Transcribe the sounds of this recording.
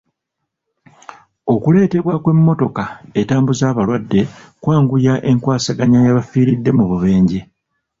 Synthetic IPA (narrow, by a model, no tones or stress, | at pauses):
o̞kule̞ːte̞βwakwe̞mːo̞to̞kaetaːmbuzaːβalwadːe̞kwaːŋɡujaʔe̞ŋkwaːsaɡaɲajaβafiːɾidːe̞muβuβe̞ːɲɟe